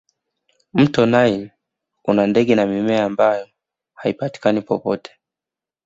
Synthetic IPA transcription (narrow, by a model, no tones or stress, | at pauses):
m̩tɔnajɛ | unandɛɠɛnamimɛaːmbajɔ | haipati̥kanipɔpɔtɛ̥